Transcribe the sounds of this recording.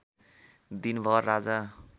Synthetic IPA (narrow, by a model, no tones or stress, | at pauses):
d̪inbʱʌrːad͡za